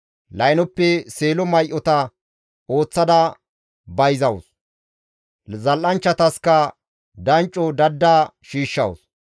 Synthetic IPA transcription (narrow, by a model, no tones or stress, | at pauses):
lɐjnɔpːɛseːlɔmɐjʔɔt̪ɐ | o̞ːt͡sːɐd̪ɐ | bɐjzɐwʊs | zɐlʔɐnt͡ʃːɐt̪ɐskɐ | d̪ɐnt͡ʃʼːɔd̪ɐd̪ːaːʃiːʃːɐ̰wʊ̰s